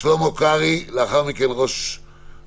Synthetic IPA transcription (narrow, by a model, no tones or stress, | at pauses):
lomokaʁilaχawmikelʁoʃ